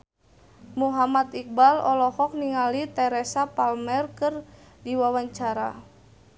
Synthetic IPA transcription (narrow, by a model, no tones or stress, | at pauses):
muɦamat̪ik̚balɔ̰lɔhɔk̚niŋalit̪ɛɾɛsapalmɛrkɨr | diwawaɲt͡ʃaɾa̰